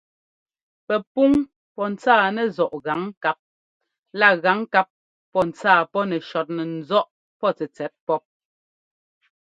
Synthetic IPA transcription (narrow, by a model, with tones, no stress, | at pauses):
pɛ˨pu˦ŋ | pɔ˦n̩˨t͡saː˦˨nɛ˨zɔ˨ʔɣa˨˦ŋka˦p̚ | la˦˨ɣa˨˦ŋka˦p̚ː | ɔ˦n̩˨t͡saː˦˨pɔ˦nɛ˨ʃɔ˨t̚nɛ˨n̩˨zɔ˦ʔ | pɔ˦˨t͡sɛ˨t͡sɛ˨˦t̚pɔ˦p̚